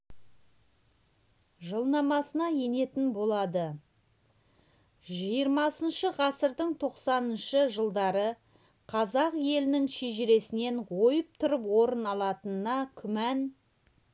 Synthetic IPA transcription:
ʒəlˠnɑmɑsənɑje̞ne̞t̪ɪnbo̞lˠɑd̪ə | ʒijəɾmɑsənʃəʁɑsəɾd̪əɴt̪ʰo̞qsɑnənʃəʒəlˠd̪ɑɾə | qʰɑzɑqje̞lɪnɪŋʃeʒɪɾe̞sɪne̞nwo̞jəp̚t̪ʰʊɾəpwo̞ɾənɑlˠɑt̪ənnɑkʲʰʏmæn

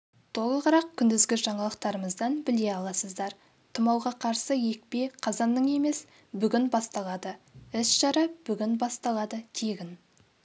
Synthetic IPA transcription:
t̪ʰo̞lˠəʁəɾɑq̚kʲʰʏnd̪ɪzɡʲɪʒɑɴɑlˠəq̚t̪ɑɾəməzd̪ɑnbɪle̞ɑlˠɑsəzd̪ɑɾ | t̪ʰəmɑwʁɑqʰɑɾsəje̞k̚pe̞qʰɑzɑnːəɴe̞me̞s | bʏɡʲɪnbɑst̪ɑlˠɑd̪əɪsʒ̥ɑɾɑb̥ʏɡʲɪnbɑst̪ɑlˠɑd̪ət̪ʰeɡʲɪn

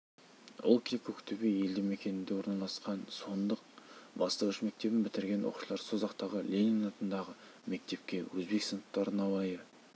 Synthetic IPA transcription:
ʊ̰lˠkʲʰɪkʲʰokt̪ʰebeje̞ld̪ɪŋme̞kʲe̞nɪnd̪e̞wo̞ɾnɑlˠɑsqɑnso̞nd̪əq̚bɑst̪əʁʏʃme̞k̚t̪e̞bɪnbɪt̪ɪɾɡʲe̞nʔʊ̰qu̥ʃəlˠɑɾsozɑqt̪ɑʁəlʲeniŋnɑt̪ənd̪ɑʁə | me̞k̚t̪e̞p̚kʲe̞wɵzbe̞ksənətt̪ːɑɾənɑwɑjə

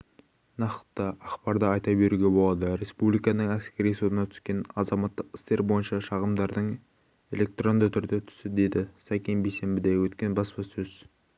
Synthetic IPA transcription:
nɑqə̥t̪ːəʔɑχpɑɾd̪əɑjt̪ɑbe̞ɾuɡʲebo̞lˠɑd̪əɾe̞spublijkɑnəɴæskʲe̞ɾijsut̪ənɑt̪ʰʏ̥skʲe̞nɑzɑmɑt̪ːəqɪ̥st̪e̞ɾbo̞jənʃɑʃɑʁəmd̪ɑɾd̪əɴ | e̞lʲe̞k̚t̪ro̞nd̪ət̪ʰʏɾd̪et̪ʰʏ̥sɪd̪e̞d̪ɪsɑkʲejnbejse̞mbɪd̪ewɵt̪kʲe̞nbɑspɑsɵz̥

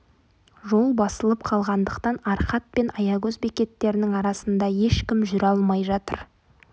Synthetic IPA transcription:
ʒo̞lˠbɑsəlˠəpqʰɑlˠʁɑnd̪əqt̪ɑnɑɾqɑt̪̚pe̞nʔɑjɑɡɵzbekʲe̞t̪ːe̞ɾɪnɪŋɑɾɑsənd̪ɑje̞ʃkʲɪmʒʏɾɑlˠmɑjʒɑt̪əɾ

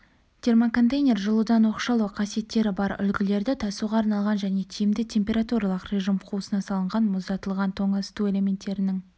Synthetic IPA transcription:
t̪ʲʰe̞rmoko̞nt̪ejnʲe̞rʒəlˠud̪ɑnwo̞qʃɑlˠuqʰɑsije̞t̪ːe̞ɾɪbɑɾʏ̰lɡʲɪle̞ɾd̪ɪt̪ʰɑsuʁɑːɾnɑlˠʁɑnʒæne̞t̪ʰijɪmd̪ɪt̪ʲʰe̞mpʲe̞ɾat̪uɾɑlˠəqrʲeʒimqʰusənɑsɑlˠəɴʁɑnmʊzd̪ɑt̪əlˠʁɑnt̪ʰo̞ɴɑst̪ue̞le̞me̞nt̪ːe̞ɾɪnɪŋ

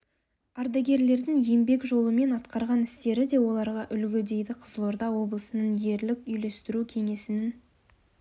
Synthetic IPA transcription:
ɑɾd̪ɑɡʲe̞ɾle̞ɾd̪ɪŋje̞mbe̞kʒo̞lˠəme̞nɑt̪qɑɾʁɑnɪst̪e̞ɾɪd̪e̞wo̞lˠɑɾʁɑʔʏlɡʲɪd̪e̞jd̪ɪqʰəzəlˠoɾd̪ɑwo̞blˠəsənənje̞ɾlɪkʲʏjle̞st̪ɪɾukʲʰe̞ŋe̞sɪnɪn

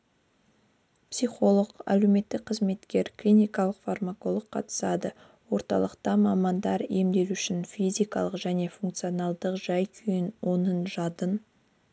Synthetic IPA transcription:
psijχo̞lˠəqæ̰lewme̞t̪ːɪk̚qʰəzme̞t̪kʲe̞ɾklʲinʲijkɑlˠəqfarmako̞lˠəqʰːɑ̰t̪ə̥sɑd̪ə | wo̞ɾt̪ɑ̰lˠəqt̪ɑmɑmɑnd̪ɑɾe̞md̪e̞ɾʏʃɪnfizʲijkɑ̰lˠəqʒæne̞fuŋkt̪sɨionɑlˠd̪əqʒ̥ɑjkʲʰʏjɪnwo̞nənʒɑt̪ən

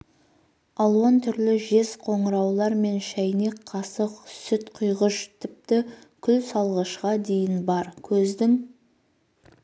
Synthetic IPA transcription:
ɑlˠwɑnt̪ʰʏɾlɪʒe̞zqʰo̞ɴəɾɑwlˠɑɾme̞nʃæjnekʰːɑsəqsʏt̪qʰʊjʁəʃt̪ʰɪp̚t̪ɪ | kʲʰʏlsɑlˠʁəʃqɑd̪e̞jɪnbɑɾkʲʰɵzd̪ɪŋ

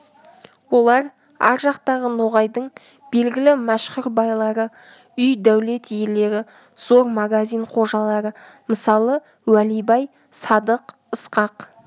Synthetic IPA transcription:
wo̞lˠɑɾ | ɑ̰ɾʒɑqt̪ɑʁənoʁɑjd̪əɴ | b̥e̞lɡʲɪlɪmæʃqʊɾbɑjlˠɑɾə | ʏjd̪æwle̞t̪jele̞ɾɪ | z̥o̞ɾmaɡazʲijɴqʰo̞ʒɑlˠɑɾə | məsɑlˠə | wælijbɑj | sɑd̪əq | əsqɑq

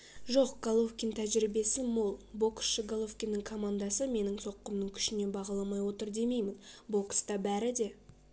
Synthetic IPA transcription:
ʒoqɡ̥olˠofkʲint̪ʰæʒɾibe̞sɪmolˠbo̞ksʃəɡolˠofkʲinːɪŋkʰo̞mand̪ɑsəme̞nɪŋso̞qːəmnəŋkʲʰʏ̥ʃɪne̞bɑʁɑlˠɑmɑjwo̞t̪əɾd̪e̞me̞jmɪnbo̞kst̪ɑbæɾɪd̪e̞

